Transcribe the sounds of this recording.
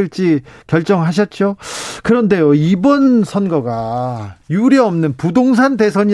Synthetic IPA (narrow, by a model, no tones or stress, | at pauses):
iɭt͡ɕ͈ikjʌɭt͡ɕ͈ʌŋɦaɕ̬ʰʌt̚t͡ɕ͈okɯɾʌnde̞joibʌnsʰʌnɡʌɡa | juɾjʌʌmnɯnpudoŋsʰande̞sʰʌɲi